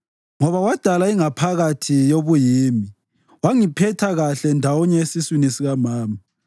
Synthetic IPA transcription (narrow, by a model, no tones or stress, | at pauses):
ŋɔβawad̥ʱalaiŋapʰaɣatʰijoβujiːmi | waŋipʰɛtʰaɣaɬɛndʱawɔɲɛesiswinisiɣamaːma